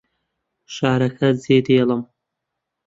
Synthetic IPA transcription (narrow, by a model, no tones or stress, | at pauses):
ʃaːɾɐkʰɐzeːd̪eːlɐm